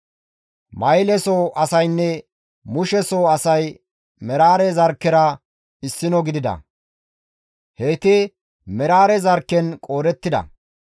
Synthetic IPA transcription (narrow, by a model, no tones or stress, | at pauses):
mɐjlɛsoːʔɐsɐjnːɛ | mʊʃɛsoːɐsɐj | mɛɾaːɾɛzɐɾkːɛɾɐ | ɪsːɪnɔɡɪd̪ɪd̪ɐ̰ | heːt̪ɛ | mɛɾaːɾɛzɐɾkːɛnkʼo̞ːɾɛt̪ːɪd̪ɐ̰